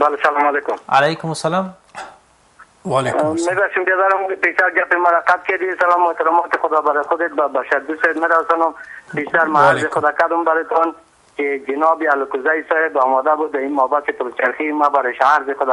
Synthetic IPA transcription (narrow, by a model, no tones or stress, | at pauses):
balesalɔmɔlekʊmalajkʊmʊsalam | lmebaχʃimbjad̪aɾʊmkpeʃt̪aɾɡapimaɾaqat̪̚ked̪isalɔmɔet̪ɪɾɔmɔt̪ɪxʊd̪ɔbaɾexʊd̪et̪̚babaʃaɾd̪usɔd̪meɾasɔnʊmbeʃt̪aɾmaaɾzɪxʊd̪ɔkad̪ʊmbaɾet̪ɔn | ked͡ʒɪnɔbialʊkʊzajsɔhebɔmɔd̪abud̪ːaimabasepʊɾut͡ʃaɾximabaɾeʃaɾzɪxʊd̪ɔ